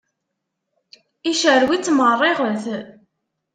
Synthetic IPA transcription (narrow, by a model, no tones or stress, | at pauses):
iʃəɾwit͡sːmərˤːiʁəlθ